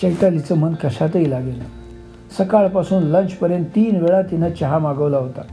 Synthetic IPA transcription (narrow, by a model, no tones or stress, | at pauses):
t͡ɕəjʈ̪alit͡səm̤ənkəɕat̪əilaɡena | səkaɭpasuːnlənt͡ɕpəɾjənt̪ːiːnʋeɭat̪inat͡ɕaɦamaɡəʋlaɦot̪a